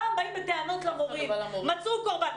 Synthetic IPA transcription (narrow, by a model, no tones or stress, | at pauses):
abaimbet̪eano̞t̪lamoʁimmat͡sukoʁban